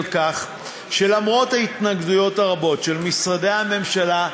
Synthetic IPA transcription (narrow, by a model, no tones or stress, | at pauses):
lkaχ | ʃe̞lamʁo̞thait̪naɡdujo̞thaʁabo̞tʃelmisʁadejhame̞mʃala